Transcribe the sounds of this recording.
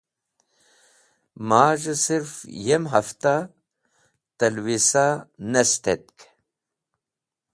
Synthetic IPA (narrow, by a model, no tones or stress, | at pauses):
maːʒɨsiɾfjemɦɐft̪a | t̪ɐlwisanest̪et̪̚k